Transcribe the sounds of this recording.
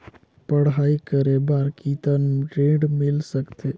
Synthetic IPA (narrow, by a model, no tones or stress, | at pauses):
pəɽ̤ɦaːikəɾebaːɾkit̪ənʈɾẽːɖmɪlsəkt̪ʰeː